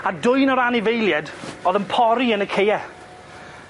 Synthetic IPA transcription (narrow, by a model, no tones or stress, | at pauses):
adʊjnɔɾanɪvejlˠjɛdɔːðənpʰɔɾiənəkʰejɛ